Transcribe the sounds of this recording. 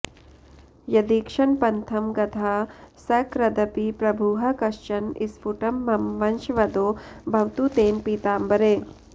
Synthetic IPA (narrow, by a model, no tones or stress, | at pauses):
jɐd̪iːkʂɐnpɐnt̪ʰɐmɡɐt̪ʰaːsɐkɾɐd̪ɐpipɾɐbʱuːɦɐkɐʃt͡ʃɐnisfuʈɐmːɐmʋɐnʃʋɐd̪oːbʱɐʋt̪ut̪eːnpiːt̪aːmbɐɾeː